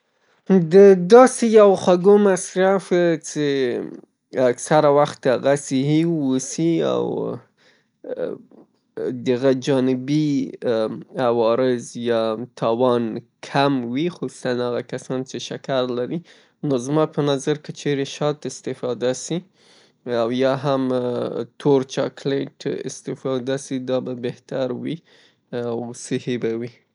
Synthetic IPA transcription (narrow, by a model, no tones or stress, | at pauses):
d̪əd̪ɑsejawxaɡomasɾaft͡se | aksaɾawaxt̪aɣasɪɦiusia̰w | d̪aɣad͡ʒɑnɪbi | awɑɾɪzjɑt̪ʰɑwɑnkʰamwixosu̥sanaɣakasɑnt͡ʃeʃakaɾlaɾi | nozmɑpənɑzaɾkət͡ʃeɾeʃɑt̪ɪst̪ɪfɑd̪asi | awjɑɦamt̪ʰoɾt͡ʃɑkleʈɪ̰st̪ɪfɑd̪asid̪ɑbabeht̪aɾwi | awsɪhebawi